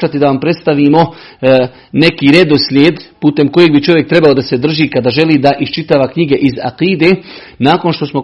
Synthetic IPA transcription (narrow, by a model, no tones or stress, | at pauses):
at̪id̪aʋampɾe̞t̪st̪aʋiːmo̞ | ne̞kiːɾe̞d̪o̞slʲjeːd̪puːt̪e̞mko̞jeɡbit͡ʃo̞ʋjek̚t̪ɾe̞baod̪ase̞d̪r̩ʒiːkad̪aːʒe̞liːd̪aʔist͡ʃit̪aːʋakɲiɡe̞ʔiza̰qiːd̪e̞ː | naːko̞nʃt̪o̞smo̞